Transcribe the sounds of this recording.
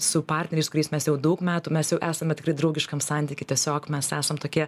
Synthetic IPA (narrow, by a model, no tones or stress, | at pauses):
sʊpɑrʲt̪ʲnʲɛɾʲɛɪskʊɾʲɛɪsmʲɛsjɛʊd̪ɐʊkmʲæːt̪umʲɛsjɛʊʔæːsɐmʲɛt̪ʲɪ̥krɐɪd̪ɾɐʊɡʲɪʃkɐmsɑnʲt̪ʲiːkʲɪt̪ʲiɛsʲoːkmʲɛsæːsɐmt̪oːkʲiɛ